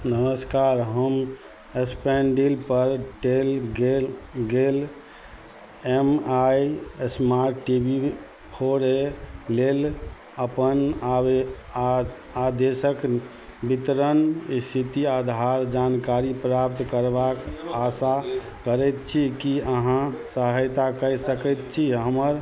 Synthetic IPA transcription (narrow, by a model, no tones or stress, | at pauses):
nəməskaɾɦəm | espeɳɖilpəɾʈelɡeɡel | emajesmaɾʈːibi | pʰoɾelel | əpəna | ad̪esək | bit̪ɾənist̪ʰit̪iad̪ʱaɾd͡ʒankaɾipɾapt̪kəɾbakasa | kəɾɛjt̪t͡ʃʰikiəɦãsəɦəjt̪akəjsəkɛt̪t͡ʃʰiɦəməɾ